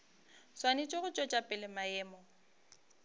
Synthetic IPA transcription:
swanɪt͡ʃʼɔɣʊt͡ʃʼɔt͡ʃʼapʼɪlɪmaɛːmɔ

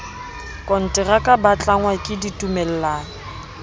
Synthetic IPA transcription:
kʼɔn̩tʼɛrakʼabat͡ɬʼaŋwakʼɪditʼumɛl̩laːŋ̩

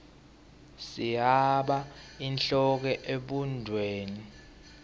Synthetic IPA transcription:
sijaɓainɬɔk̬ɛʔeɓundʱweːni

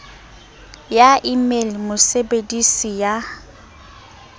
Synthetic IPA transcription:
jaʔimelmʊsebedisija

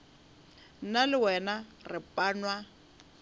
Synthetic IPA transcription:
nalɪwɛnarɪpʼaːnwa

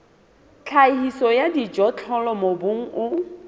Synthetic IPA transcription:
t͡ɬʰahisɔjadid͡ʒʼɔt͡ɬʰɔlɔmobʊŋ̩ʔʊ

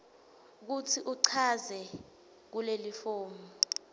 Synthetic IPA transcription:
k̬utʰiʔuǀʰazɛ | k̬ulelifoːmu

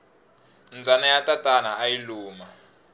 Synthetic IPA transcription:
nd͡zʱanajatatʼanaːjiluːma

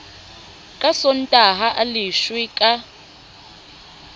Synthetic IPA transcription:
kʼasɔntʼaɦaʔaliʃwikʼa

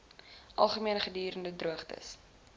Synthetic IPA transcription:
ʔɐlˠχəmiənχədiːɾəndədruəχtə̰s

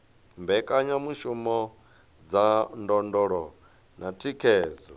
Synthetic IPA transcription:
mbɛkʼaɲamuʃumɔ | d͡zandɔndɔɺɔ | nʔatʰikʰɛːd͡zɔ

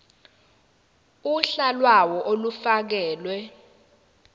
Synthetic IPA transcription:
uɬalwawɔʔolufak̬ɛːlwɛ

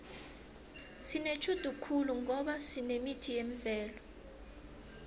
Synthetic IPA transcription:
sinet͡ʃʰud̥ʱukʰuluŋɔɓasinemitʰijem̩vɛːlɔ

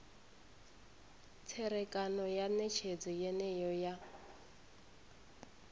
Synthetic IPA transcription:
t͡sʰɛɾɛkʼanɔjanɛt͡ʃʰed͡zɔjɛnɛjɔja

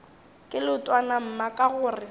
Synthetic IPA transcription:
kʼɪlʊtʼwanam̩makʼaɣʊːrɪ

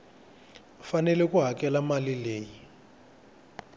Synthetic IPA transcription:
fanɛlɛkuɦakɛlamalileːji

